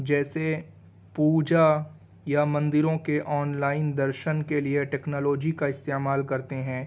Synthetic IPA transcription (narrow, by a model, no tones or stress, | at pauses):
d͡ʒɛːse | puːd͡ʒa | jamɐ̃nd̪ɪɾõkeʔɔːnlaːɪnd̪ɐɾʃənkelieʈɛːknɔːloːd͡ʒikaɪst̪eːmaːlkɐɾt̪eɦɛ̃ː